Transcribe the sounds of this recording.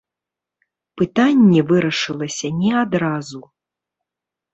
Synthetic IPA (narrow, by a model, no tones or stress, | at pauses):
pɨt̪anʲːɛvɨɾɐʂɨlˠɐsʲɐnʲɛad̪ɾazu